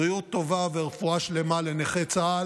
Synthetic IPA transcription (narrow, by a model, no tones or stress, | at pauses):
ʁijut̪ːo̞vaveʁefuaʃle̞male̞neχet͡saa